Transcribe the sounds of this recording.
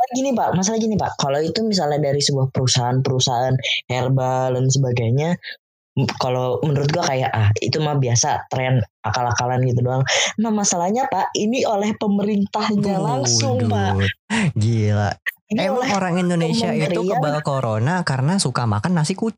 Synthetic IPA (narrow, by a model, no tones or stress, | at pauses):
aɡinipaʔmas̬alahɡinipaʔkaloit̪umis̬alɲadaɾisəbuahpəɾusaɦanpəɾusaanhɛrbalansəbaɡajɲa | kalomənəɾʊt̪̚ɡuakajaʔahḭt̪umahbiasat̪əɾɛnakalakalanɡit̪udoaŋmahmasalahɲapaʔiniolɛhpəməɾint̪ahɲalaŋsʊŋdpat̪̚ɡila̰ | inmlɛoɾaŋindonesiaiɾiuəabalakoɾonakaɾənasukama̰kanːasɪkut͡ʃ